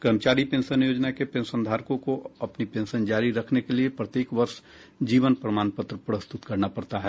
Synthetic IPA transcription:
kəɾmt͡ʃaːɾipẽːnʃənjoːd͡ʒnakepẽːnsə̃nd̪ʱaːɾkõkoɐpnipẽːnʃənd͡ʒaːɾiɾɐkʰnekeliepɾɐt̪jeːkʋɐɾʃ | d͡ʒiːʋənpɾəmaːnpət̪ɾəpɾəst̪ʊt̪kɐɾnapɐɾt̪aɦɛː

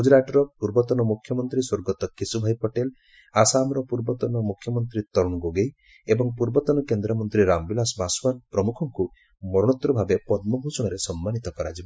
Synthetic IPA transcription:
ɦud͡ʒɾaʈɔɾɔpuɾbɔt̪ɔnɔmukʰːjɔmɔnt̪ɾiswoɾɡɔt̪ɔkisubʱajpɔʈel | asamɾɔpuɾbɔt̪ɔnɔmukʰːjɔmɔnt̪ɾit̪ɔɾɔɽ̃ɔɡoɡej | ebɔŋpuɾbɔt̪ɔnɔkend̪ɾɔmɔnt̪ɾiɾambilasbaswanpɾɔmukʰɔŋku | mɔɾɔɽ̃ɔt̪ɾɔbʱabepɔd̪mɔɦusɔɽ̃ɔɾesɔmːanit̪ɔkɔɾa̰d͡ʒibɔ

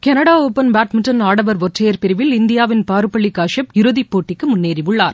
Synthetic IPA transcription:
kɛnɐɽaːoːpɐnbaːʈmɪɳʈɐnaːɽɐʋɐɾʋɔʈrɐjɐɾpɪɾɪʋɪlɪnd̪ɪjaːʋɪnpaːɾɯpːɐɭːɪkːaːʂɐpɪɾɯðipːoːʈːɪkːɯmʊnːeːɾiʋɯɭːaːɾ

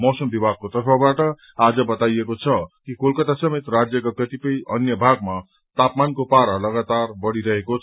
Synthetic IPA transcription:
mʌwsʌmbibʱaɡ̚kot̪ʌrpʰʌbaʈʌ | ad͡zʌbʌt̪ajekot͡sʰʌkikolkʌt̪asʌmet̪rad͡zjʌkakʌt̪ipʌjʔʌnjʌbʱaɡ̚ma | t̪apmankopaɾʌlʌɡat̪arbʌɽiɾʌɦekot͡sʰ

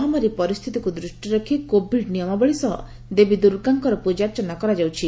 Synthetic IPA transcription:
ɦamaɾipɔɾist̪ʰit̪ikud̪ɾuʃʈjɔɾɔkʰikobʱiɖnijɔmabɔɭisɔɦɔ̰ | d̪ebid̪uɾɡaŋkɔɾɔpud͡ʒaɾt͡ʃɔnakɔɾad͡ʒawt͡ʃʰi

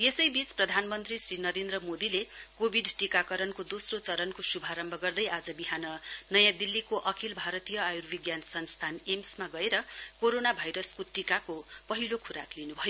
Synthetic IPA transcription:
jesʌjbit͡sprʌd̪ʱanmʌnt̪risrinʌɾend̪rʌmod̪ile | kobʱiɖʈikakʌɾʌnkod̪osrot͡sʌɾʌnkosubʱaɾʌmbʱʌɡʌrd̪ʌjad͡zʌbiɦanʌnʌjãd̪ilːikoʔʌkʰilbʱaɾʌt̪ijʌajurbiɡjansʌnst̪ʰanemsmaɡʌeɾʌ | koɾonabʱajɾʌskoʈikako | pʌɦilokʰuɾaklinubʱʌjo

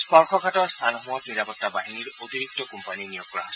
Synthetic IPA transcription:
spɔɹkʰɔkʰatɔɹst̪ʰanɔɦuwɔkniɾapɔt̪ːabaɦiniɹot̪iɾik̚tɔkɔmpaninijɔk̚ɹas

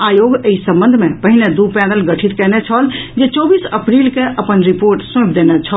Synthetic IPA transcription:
ajoɡəisə̃mbə̃nd̪ʱmẽpəɦined̪upɛnəlɡəʈʰit̪kɛnɛt͡ʃʰɔld͡ʒet͡ʃɔbisəpɾilkeʔəpənɾipoɾʈsẽpʰd̪enɛt͡ʃʰɔl

